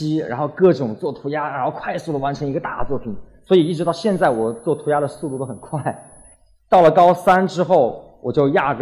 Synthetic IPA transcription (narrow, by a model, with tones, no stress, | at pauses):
i˥ɻa̰˧˥nxo˥˧ʊkɤ˥˩ʈ͡ʂʊ˨˩ŋt͡swɔ˥˩t̪ʰu˧˥ja˥ɻa˧˥nxo˥˧ʊkʰwa˥˧ɪsu˥˩ə˩wa˧˥nʈ͡ʂʰə˧˥ŋi˧˥ɡə˧t̪a̰˥˧t͡swɔ˥˩pʰi˨˩˦nswɔ˧˥i˨˩i˥˩ɻ̩˧˥t̪ɑ˥˧ʊɕjɛ˥˧nt͡sa˥˩ɪwɔ˨˩t͡swɔ˥˩t̪ʰu˧˥ja˥ɾə˨su˥˧t̪u˥˩t̪o˥xə˨˩nkʰwa˥˩ɪ | t̪ɑ˥˩ʊlə˩kɑ˥ʊsa˥nʈ͡ʂɻ̩˥xo˥˩ʊ | wɔ˨˩t͡ɕjo˥˧ʊja˥˩ɡ